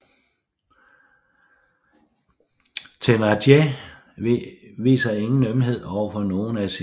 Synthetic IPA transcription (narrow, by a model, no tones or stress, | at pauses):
t͡sʰenɑd̥je | ʋḭːsɐe̝ŋn̩nømɦe̝ð̞̰ˠɒʊ̰ɐfɒ̽no̝ːn̩æsi